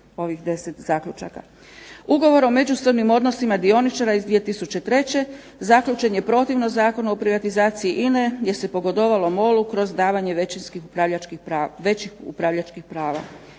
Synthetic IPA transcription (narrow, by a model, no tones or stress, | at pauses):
o̞ʋixd̪e̞set̪zaːklʲut͡ʃa̰ka̰ | uɡo̞ʋo̞ɾo̞me̞d͡ʑuso̞ʋnimo̞d̪no̞simad̪io̞nit͡ʃaɾaizd̪ʋije̞t̪isut͡ɕe̞t̪ɾe̞t͡ɕe̞ | zakʎut͡ʃe̞ɲepɾo̞t̪iʋno̞zaːko̞nuopɾiʋat̪izaːt̪siiʔineje̞se̞po̞ɡo̞d̪o̞ʋalo̞mo̞lukɾo̞zd̪aːʋaɲe̞ʋet͡ɕinskixuɾaʎat͡ʃkiaʋet͡ɕixṵpɾaʋʎat͡ʃkixpɾaːʋa̰